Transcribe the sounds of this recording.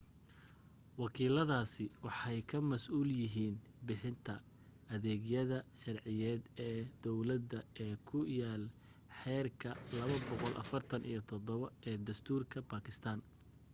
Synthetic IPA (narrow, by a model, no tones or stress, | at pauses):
wɑkʰiːlɐðaːsɪwɑħɑjkʰɐmɐsʔuːljɪɦiːn | bɪħɪnt̪ʰɐ | ʔɐðɛːɣjɐðɐʃɑrʕɪjɛːd̪ɛːd̪̥ɔwlɐd̪ɐɛːkʰʊjaːl | ħɛːrkʰɐlɐβɐbɔqɔlʔɐ̰fɐrt̪ʰɐnḭjɞt̪ʰɔd̪ɔβɐɛːd̪ɐst̪ʰuːrkʰɐbaːkʰɪst̪ʰaːn